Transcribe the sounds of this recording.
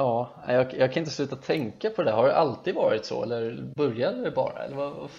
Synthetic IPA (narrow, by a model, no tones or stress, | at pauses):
ɑːnæ̰ɪjɑɡjɑɡkʰanɪnt̪əslʉ̟ːt̪at̪ʰɛŋkːapʰɔd̪ɛɦaɖɛʔalt̪ʰiːd̪vɑːɾɪt̪sɔ̰ɛ̰lːəɾbœɾjad̪ɛbɑ̰ːɾa̰ɛ̰lːəɾva̰